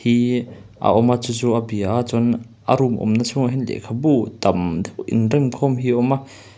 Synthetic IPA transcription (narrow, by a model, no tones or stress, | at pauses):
hiʔa̰ʔɔmat͡sut͡suʔabiʔat͡sɔn | ʔa̰ɾumʔɔ̰mnat͡sʰʊŋaɦɛnlɛ̰ʔkʰabut̪ɐmd̪ʔḭnrɛmkʰɔmɦiʔɔma